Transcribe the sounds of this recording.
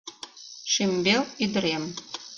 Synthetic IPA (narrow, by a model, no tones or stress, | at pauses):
ʃimbelid̪ɾem